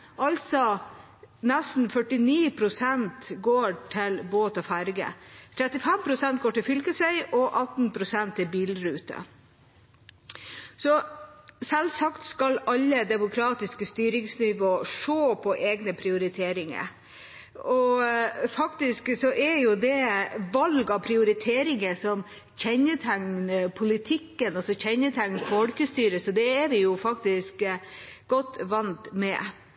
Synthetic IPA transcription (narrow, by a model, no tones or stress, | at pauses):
ʔɑlsɔ | nɛst̪n̩fœʈɪniːpʰɾʊsɛnt̪ɡoːʈʰɪlboːt̪ɑfæɾɡə̰t̪ʰɾɛt̪ɪfɛmpʰɾʊsɛnt̪̚ɡoːʈɪlfʏlkəsʋœʏʔɔʔɑt̪npʰɾʊsɛnt̪ɛbiːlɾʉːt̪ə̰ | sɔsɛlsɑkt̪skɑlɑʎːəd̪ɛmʊkʰɾɑːt̪ɪskəst̪yːɾɪŋsnɪʋoːʂoːpʰɔʔeːɡnəpʰɾɪʊɾɪt̪ʰeːɾɪŋə̰ɾ | ɔ | fɑkt̪ɪsksɔʔɛɾjʊd̪ɛʋɑlɡɑpʰɾɪʊɾɪt̪ʰeːɾɪŋəsɔm | çɛɲəʈʰæŋnəpʰʊlɪt̪ʰɪkːənɑsɔçɛɲəʈ̪ʰæŋnfɔlkəst̪yːɾəsɔd̪ɛːɾʋɪjʊfɑk̚t̪ɪsk | ɡ̥ɔt̪ːʋɑnt̪mɛ̰